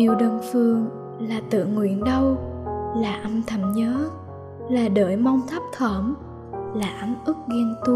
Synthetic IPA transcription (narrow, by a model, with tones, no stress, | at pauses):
ɗi˨˩əwɗəː˨˩nfɨ˨˩əŋ | laː˨˩t̪ɨ̰˧˨ŋwḭ˧˥ənɗə˧wlaː˨˩ʔmt̪ʰə˧˩mɲəː˨˦ | laː˨˩ɗəː˧˩jma˧wŋ͡mt̪ʰa˦˥p̚t̪ʰəː˧˩m | laː˨˩ʔmʔɨ˦˥k̚ɣɛ˧nt̪u˧